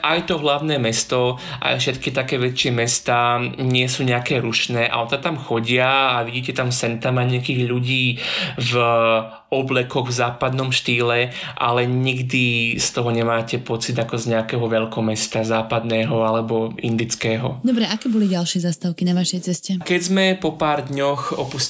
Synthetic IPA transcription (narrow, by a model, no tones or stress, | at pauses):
ʔajt̪ɔɦlaʊnɛːmɛst̪ɔʔa̰jfʃɛt̪kit̪akɛːʋɛt͡ʃɪɛmɛst̪aːɲɪɛsuːɲɛakɛːɾuʃnɛːʔa̰ɔt̪at̪amxɔɟɪaːʋiɟiːcɛt̪amsɛnt̪amaɲɛakiːɣʎuɟiːv | ɔblɛkɔɣvzaːpad̪nɔmʃt̪iːlɛʔa̰lɛɲiɡd̪ist̪ɔɦɔɲɛmaːcɛpɔt͡sid̪akɔzɲɛakɛːɦɔʋɛʎkɔmɛst̪azaːpad̪nɛːɦɔalɛbɔind̪it͡skɛːɦɔ̰d̪ɔbɾɛʔakɛːbɔliɟalʃɪɛzast̪aʊkinaʋaʃɛjt͡sɛscɛkɛɟzmɛpɔpaːɾd̪ɲɔxɔpus